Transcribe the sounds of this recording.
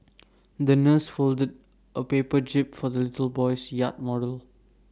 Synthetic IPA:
d̪ənəsfoldəd | ʔəpepəd͡ʒɪp̚fɔdəlɪtəlbɔɪsjat̚mɔdəl

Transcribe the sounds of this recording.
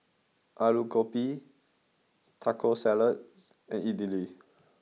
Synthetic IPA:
ʔaɹukopi | tʰakʰosɛlət̚ | ɛ̃nidili

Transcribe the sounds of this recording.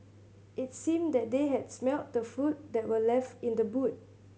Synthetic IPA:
ʔɪtsĩmdɛt̚deɦɛdsmɛlt̚dəfut̚dɛt̚wəlɛftɪ̃ndəbut̚

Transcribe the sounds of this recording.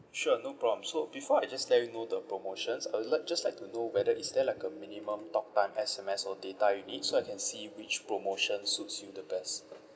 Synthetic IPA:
ʃuənopɹɔblə̃msobifɔajd͡ʒaslɛjunodəpɹomoʃə̃nsajwudlaɪk̚d͡ʒaslaɪk̚tunowɛdəitsdɛlajkəminimə̃mtɔk̚tãɪ̃mʔɛsɛmɛsɔdetajunit̚soajkʰɛ̃nsiwit͡ʃpɹomoʃə̃nsutsjudəbɛs

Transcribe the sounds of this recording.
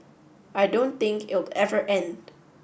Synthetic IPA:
ʔaɪdõʊ̃nθɪ̃ŋkɪ̰tl̩ɛvə˞ʔɛ̃nd

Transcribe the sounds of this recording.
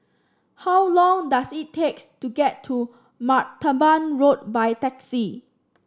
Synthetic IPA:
hawlɔ̃ŋdasitʰːektuɡɛtʰːu | matːəbãnɹot̚bajtɛksi

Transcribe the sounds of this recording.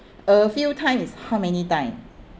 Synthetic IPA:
əfitʰãj̃mishaʊmɛnitãj̃m

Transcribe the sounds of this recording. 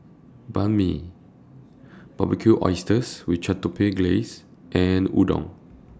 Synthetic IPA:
bãnmḭ | b̥ablikʰuʔɔ̰jstəswit͡ʃatːupʰeɡles | ʔɛ̃nṵdɔ̰̃ŋ

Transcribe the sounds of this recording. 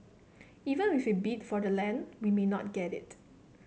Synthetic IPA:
ivə̃nwifibitfɔdəlɛ̃nwimenɔt̚ɡ̥ɛtɪ̰t̚

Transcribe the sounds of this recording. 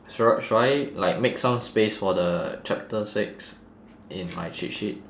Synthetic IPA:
sɔʃaɪlaɪk̚meksãmspesfɔdət͡ʃɛp̚təsɪks | ʔĩnma̰jt͡ʃit̚ʃit̚

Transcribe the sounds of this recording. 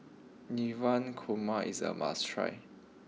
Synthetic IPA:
nivãnkʰomaḭsə̰ma̰stʰɹa̰j

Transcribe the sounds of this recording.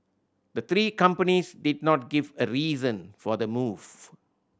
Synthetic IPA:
d̪ət̪ɾiːkʌ̃mpənisdɪd̚nɔt̚ɡivəɾiːzə̃nfɔd̪əmuːv̥

